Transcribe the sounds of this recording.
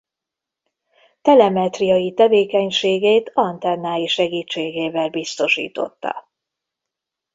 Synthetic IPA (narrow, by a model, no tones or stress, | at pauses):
t̪ɛlɛmɛt̪rijɒjit̪ɛveːkɛɲʃeːɡeːt̪ɒnt̪ɛnːaːjiʃɛɡiːt͡ʃːeːɡeːvɛlbist̪o̞ʃḭːt̪o̞̰t̪ːɒ̰